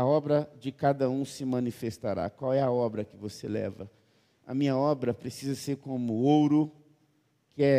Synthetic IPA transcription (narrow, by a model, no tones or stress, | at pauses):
ɐɔbɾɐd͡ʒɪkad̪ɐũsɪmɐ̃nifest̪aɾa̰kwawɛɐɔbɾɐkɪvoselɛ̰vɐ̰ | ɐ̰mĩɲɐɔbɾɐpɾesizɐseɾkõmʊowɾʊ | kɪɛ